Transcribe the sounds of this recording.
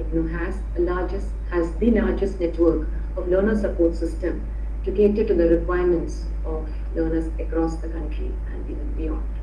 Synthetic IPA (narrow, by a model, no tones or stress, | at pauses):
nuɦæzəlaːd͡ʒɪs | hæzd̪ilaːɾd͡ʒɪsʈneʈʋəːɾk | ɔʋləːnəsəpoːɾʈsɪsʈə̃m | ʈuɡeːʈɪʈːud̪əɾɪkwaɪəɾmə̃ɳʈs | ɔʋ | ləːnəɾzəkɾɔːsd̪əkʌ̃ɳʈɾḭ | æ̰̃ɳinə̃nbijɔ̰̃nɖ